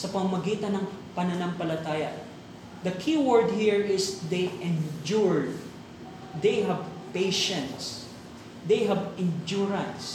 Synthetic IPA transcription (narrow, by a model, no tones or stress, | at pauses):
sɐpɐmamɐɡiːt̪ɐnɐŋpɐnɐnampɐlɐt̪aːjɐ | d̪ɐkʰiwɔɹd̪̚hiɹɪsd̪ejɛnd͡ʒuɹ | d̪ejɦɐvpejʃɛ̃nt̪s | d̪ejɦɐvɪnd͡ʒuɹɐ̃ns